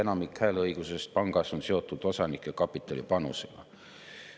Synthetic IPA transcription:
enɑmikhæːlɤiɡ̥use̞st̪̚pɑŋɡ̥ɑsonse̞o̞t̪ːˑud̪̥o̞sɑnikːˑekɑpːˑit̪ːˑɑlḭpɑnṵseɡ̥ɑ̰

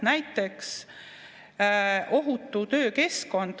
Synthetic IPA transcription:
næjt̪ːˑe̞ks | ʔo̞ɦut̪ːˑut̪ø̞ːke̞sko̞nd̪̥

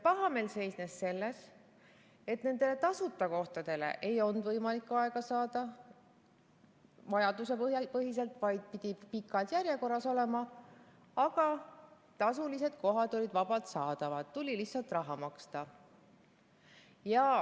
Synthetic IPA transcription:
pɑɦɑme̞ːlse̞jsnesːe̞lːes | e̞t̪ne̞nd̪e̞le̞t̪ɑsut̪ːˑɑko̞ht̪ɑd̪̥e̞le̞̰ʔe̞jo̞nd̪vɤjmɑlikːɑe̞ɡ̥ɑsɑːd̪̥ɑ | vɑjɑd̪̥use̞pɤjɑpɤɦis̬e̞lt̪vɑjd̪̥̚pid̪̥ipikːˑɑd̪̥jærje̞ko̞rːɑso̞le̞mɑ | ɑɡ̥ɑ | t̪ɑsulise̞d̪̥̚ko̞ɦɑd̪olʲid̪vɑbɑt̪sɑːd̪ɑvɑd̪̥t̪ulʲilihsɑlt̪ˑrɑɦɑmɑkst̪ɑ | jɑ

